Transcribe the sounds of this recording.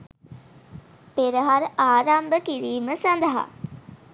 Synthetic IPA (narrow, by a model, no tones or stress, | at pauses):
peɾəɦaɾaːɾambəkiɾiːməsɐnd̪əɦa̰